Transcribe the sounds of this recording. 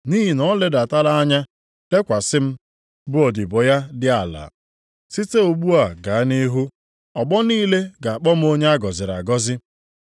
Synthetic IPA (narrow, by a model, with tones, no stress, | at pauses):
ni˦ɦi˨nɔ˦le˦da˨ta˦la˦a˦ɲa˦ | le˦kʷa˨sɪ˦m̩˦ | bʊ˦ɔ˨dɪ˨bɔ˨ja˦dɪ˦a˨la̰˨ | si˦te˦o˨ɡ͡bu˦a˨ɡa˨a˦ni˦ɦu˦ | ɔ˨ɡ͡bɔ˦niː˦le˦ɡa˨a˨k͡pɔ˦m̩˦o˦ɲe˦a˦ɡɔ˨zɪ˨ɾa̰˨ɡɔ˦zɪ˦